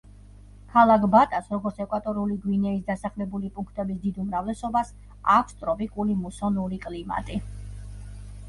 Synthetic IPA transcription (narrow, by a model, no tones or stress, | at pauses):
kʰalˠakʰbat̪ʼasɾɔɡɔɾt̪sʰɛkʼwat̪ʼɔɾuliɡwinɛisd̪asaχlɛbulipʼuŋkʰt̪ʼɛbisd̪id̪umɾavlɛsɔbas | akʰʷst̪ʼɾɔpʼikʼulimusɔnuɾikʼlima̰t̪ʼi